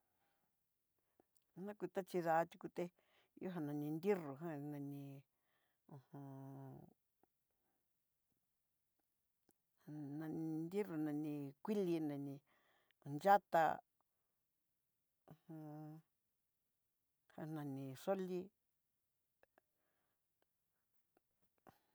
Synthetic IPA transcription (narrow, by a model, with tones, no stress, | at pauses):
nã˦kʷi˧t̪a˦t͡ʃi˧ða˧t̪ʲu˧ku˧t̪e˧ | jo˦ɦã˧nã˧nĩ˧nd̪i˦ru˨ɦã˦nã˧nĩ˧ | ũ˧hũ˧ | nã˧nĩ˧nd̪i˦ru˨nã˧nĩ˧kʷi˦li˧nã˧nĩ˧˨ | nd͡ʒa˦t̪a̰˧ | ũ˧hũ˧ | hã˧˨nã˧nĩ˧ʂo˦li˦